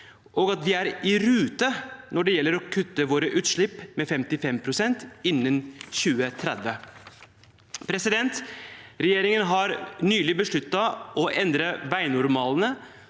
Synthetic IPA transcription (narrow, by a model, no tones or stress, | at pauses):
ʔɔːɡɑt̪ʋɪæɾɪɾʉːt̪ənɔɖɛjɛlːəɾɔkʰʉt̪ːəʋoːɾəʔʉːt̪ʂɭɪpːmɛfɛmt̪ɪfɛmpʰɾʊsɛnt̪ɪnːənɕʉːət̪ʰɾɛd̪ʋə | pʰɾɛsɪd̪ɛnt̪ɾɛjeːɾɪŋənɦɑɾnyːlɪbəʂɭʉt̪ːɑʔɔʔɛnd̪ɾəʋæɪnʊɾmɑːlnə